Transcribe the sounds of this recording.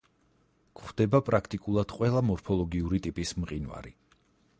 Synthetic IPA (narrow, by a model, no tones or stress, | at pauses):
kʰχd̪̥ɛbapʼɾakʰt̪ʼikʼulˠad̪̥qʼwɛlˠamɔɾpʰɔlˠɔɡiuɾit̪ʼipʼismqʼinva̰ɾi